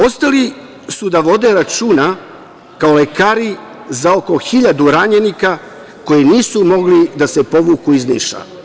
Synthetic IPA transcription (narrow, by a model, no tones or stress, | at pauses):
o̞st̪ali | sud̪aʋo̞d̪e̞ɾat͡ʃuːna | kaolekaːɾi | zao̞ko̞xiʎad̪uɾaɲenika | ko̞jiniːsumo̞ɡlid̪asepo̞ʋukuiznḭːʃa̰